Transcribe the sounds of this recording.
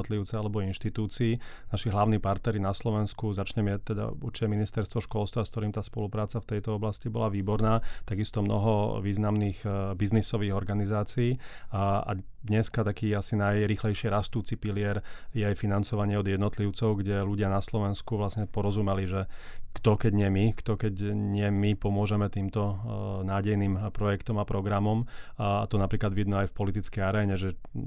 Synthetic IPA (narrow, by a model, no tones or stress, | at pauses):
t̪liʊt͡sɛalɛbɔinʃt̪it̪uːt͡siːnaʃiɦlaʊniːpaɾt̪nɛɾinaslɔʋɛnskuzat͡ʃɲɛmat̪ːɛd̪a̰ṵɾt͡ʃicɛminist̪ɛɾst̪ʋɔʃkɔlst̪ʋaskt̪ɔɾiːmt̪aːspɔlupɾaːt͡saft̪ɛjt̪ɔɔblascibɔlaʋiːbɔɾnaːt̪aɡist̪ɔmnɔ̰ɦɔʋiːznamniːɣbiznisɔʋiːɣɔɾɡanizaːt͡siiː | a̰d̪ɲɛskat̪akiːasinajɾiːxlɛjʃɪɛɾast̪uːt͡sipilɪɛɾjɛajfinant͡sɔʋaɲɪɛɔd̪jɛd̪nɔt̪liʊt͡sɔʊɡɟɛluɟɪanaslɔʋɛnskuʋlasɲɛpɔɾɔzumɛliʒɛ | kt̪ɔkɛɟɲɪɛmikt̪ɔkɛɟɲɪɛmipɔmʊɔʒɛmɛt̪iːmt̪ɔnaːɟɛjniːmpɾɔjɛkt̪ɔmapɾɔɡɾamɔmat̪ɔnapɾiːklad̪ʋid̪mɛajfpɔlit̪it͡skɛjaɾɛːɲɛʒɛ